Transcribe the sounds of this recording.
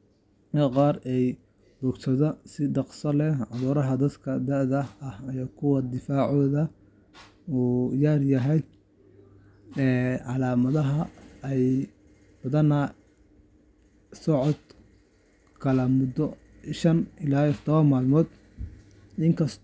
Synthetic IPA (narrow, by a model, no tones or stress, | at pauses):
kʰɐqɑːrɛj | bɔːɡsɐðɐsɪɖɑqsɐlɛʕɑðuːɾɐɦɐd̪ɐd̪kʰɐd̪ɐðɐɐhkʰʊwɐd̪ɪfaːʕɔːðɐ | uːjaːrjɐɦɛj | ɛːʕɑlaːmɐðɐɦɐɛj | b̥ɐðɐnɐ | sɔʕɔd̪ | kʰɐlɐmʊd̪ɔ | ʃɐnɪlaːjɔtʰɔd̪ʰɔβɐnmaːlmɔːd̪ | ɪŋkʰɐs